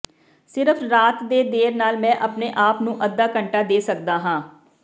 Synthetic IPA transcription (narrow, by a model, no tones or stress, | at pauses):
sɪɾəpʰɾaːt̪d̪eːd̪eːɾnaːlmɛ̃ːʔəpneːʔaːpnũːʔəd̪ːaːkəɳʈaːd̪eːsəkd̪aːɦãː